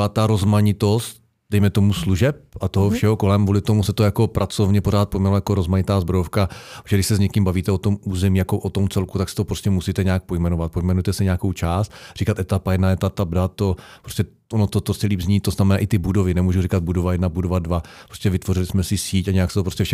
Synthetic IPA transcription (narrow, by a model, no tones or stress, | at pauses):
at̪aɾozmaɲɪt̪o̞st̪ | d̥ɛjmɛt̪o̞musluʒɛp̚ʔat̪oɦofʃɛɦoko̞lɛmɡvuːlɪt̪o̞musɛt̪ojako̞pɾʔat͡so̞vɲɛpo̞ɾaːt̪̚pojmɛlajakoɾozmaɲɪt̪aːzbɾojofkapɾosɛɡdɪʃsɛzɲɛkɪmbaviːt̪ɛot̪o̞muːzɛmiːjako̞ʔot̪o̞mt͡sɛlkut̪aksɪ̥t̪opɾoscɛmusiːt̪ɛɲɛaːk̚po̞jmɛnovat̪̚po̞jmɛnujɛt̪ɛsɪɲɛakowt͡ʃaːst̪r̥iːkat̪ɛt̪apajɛdnajɛt̪at̪abdat̪opɾostcɛ | ʔonot̪ot̪osɪliːbzɲiːt̪t̪ːoznamɛnaːʔɪt̪ɪbudo̞vɪnɛmuːʒurikad̪̚budovajɛdnabudovadvapɾoscʲɛvɪt̪vo̞ɾɪlɪsmɛsɪsiːcaɲɛjaksɛt̪opɾoscɛfʃɛ